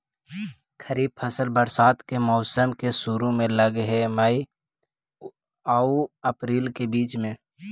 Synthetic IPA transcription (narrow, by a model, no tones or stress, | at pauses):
kʰəɾiːb̚pʰəsəlbəɾsaːt̪kemɔːsəmkesuɾõmẽləɡɦɛmaːi | aːuəpɾiːlkebiːt͡ʃmẽː